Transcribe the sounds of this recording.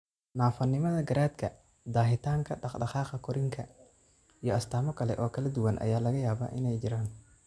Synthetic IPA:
naːfɐnːɪmɐðɐɡɐɾaːt̪kʰɐ | d̪aːɦɪt̪aːŋkʰɐɗɑqdɑxɑːxɐkʰɔɾɪŋkʰɐ | ijɔɐst̪aːmɔkʰɐlɛʔɔːkʰɐlɐd̪ʊwɐnʔɐ̰jaːlɐɣɐjaːβa̰ːʔɪnɛjd͡ʒɪɾaːn

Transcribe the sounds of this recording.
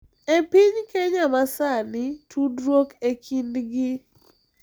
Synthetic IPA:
epiɲkɛɲamasanɪtʰudɾwokekʰindɡɪ

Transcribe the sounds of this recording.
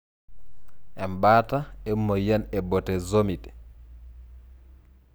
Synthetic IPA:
ʔɛmbaːtaɛmːɔjɛnɛbɔtɛzomitɛ̥

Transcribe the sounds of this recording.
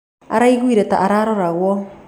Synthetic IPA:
a̰ɾaiɣwiɾeta̰ʔaɾaɾɔɾaɣwɔ

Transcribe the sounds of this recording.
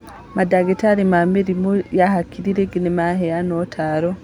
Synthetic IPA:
madaɡitaɾimameɾimujaɦakʰiɾiɾeɡinemaɦejanotʰaɾo

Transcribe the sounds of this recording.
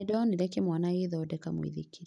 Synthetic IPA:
dɔniɾɛkɛmwanaeðɔːdɛkamwḭðikiɾ

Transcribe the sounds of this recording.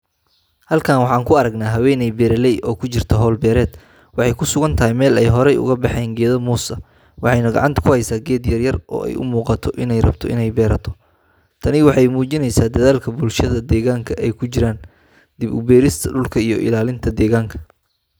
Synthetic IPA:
hɐlkʰaːnwɑħɑːŋkʰʊɐɾɐɡnaːɦɐwɛːnɛjbɛːɾɛlɛjʔɔːkʰʊt͡ʃɪrt̪ʰɔɦɔːlbɛːɾɛːd̪ | wɑħɑjkʰʊsʊɣɐnt̪ʰɐɦɪjmɛːlɛjɦɔɾɛjʊ̰ɣɐbɑħɛːŋɡɛːðɐmuːsɐ | wɑħɑjnɐɡɑ̰ʕɑ̰nt̪ʰɐ̥kʰʊhɛjsaːɡɛːd̪jɐrjɐrʔɔ̰ːɛ̰jʔʊ̰muːqɑt̪ʰɔʔɪnɛjrɐ̰bt̪ʰɔʔɪ̰nɛjbɛːɾɐt̪ʰɔ̥ | t̪ʰɐnɪwɑħɑjmuːt͡ʃɪnɛjsaːd̪ɐðaːlkʰɐbʊlʃɐðɐd̪ɛːɣaːŋkʰɐʔɛjkʰʊt͡ʃɪɾaːn | d̪ɪbʊ̰bɛːɾɪst̪ʰɐɖʊlkʰɐijɔ̰ʔɪ̰laːlɪnt̪ʰɐd̪ɛːɣaːŋkʰɐ̥

